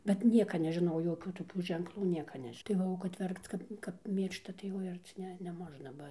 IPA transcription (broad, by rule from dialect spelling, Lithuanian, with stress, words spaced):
bʲɛt ˈnʲiɛkɐ nʲɛʒʲɪˈnɐʊ joːˈkʲuː toːˈkʲuː ʒʲɛŋkˈlˠuː ˈnʲiɛkɐ ˈnʲɛʃʲ tɐɪ ˈʋɐ oː kɐt ˈʋʲɛrkt͡s ˈkɐt kɐp ˈmʲiːrʃtɐ tɐɪ ˈoːɪ ˈɐrʲt͡sʲɪ ˈnʲɛ nʲɛˈmoːʒnɐ ˈbɐ